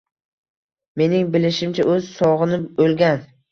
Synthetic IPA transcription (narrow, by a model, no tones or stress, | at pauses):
me̞nɪŋbɪlɪʃɪmt͡ʃʰaʔɵzsɒʁɨnɪbolɡʲan